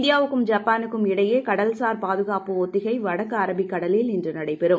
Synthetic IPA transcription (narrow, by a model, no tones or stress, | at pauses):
nɖɪjaːʋɯkːɯmd͡ʒaːpːaːnɯkːɯmɪɽɐjeːkɐɽɐlsaːɾpaːðɯɣaːpɯot̪ːɪɣɐɪʋɐɽɐkːɐːɾɐbɪkːɐɽɐlɪlɪndrɯnɐɽɐɪpɛɾɯm